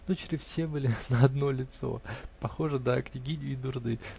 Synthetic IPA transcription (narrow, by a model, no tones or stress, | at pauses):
not͡ɕɪɾʲɪsfʲsʲebɨlʲɪnəɐd̪no̞lʲɪt̪so̞̰pɐxo̞ʐɨd̪aknʲɪɡʲidʲʊid̪ʊrd̪ɨ